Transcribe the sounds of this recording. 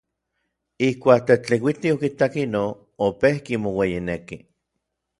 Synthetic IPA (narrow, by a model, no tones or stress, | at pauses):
ihkʷaːk̚t̪et͡ɬewit̪iokit̪akino | opehkimowejineki